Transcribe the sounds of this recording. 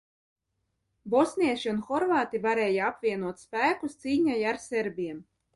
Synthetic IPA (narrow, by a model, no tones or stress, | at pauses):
bɔsʲnʲiɛʃiunxɔɾvaːt̪ivaɾɛːjaapvʲiɛnuɔt̪spæːkust̪siːɲajaɾsʲeɾbʲiɛm